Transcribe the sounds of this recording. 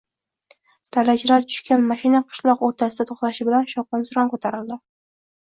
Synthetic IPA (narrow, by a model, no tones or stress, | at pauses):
st̪ʰalat͡ʃlaɾt͡ʃ̪ʰʊ̥ʃkʲanmaʃɪnaqʰɨ̥ʃlˠɒqoɾt̪ʰasɪd̪at̪ʰoχlaʃɪbɪlanʃɒqɑnsʊɾɒnkot̪ʰaɾɪld̪ɪ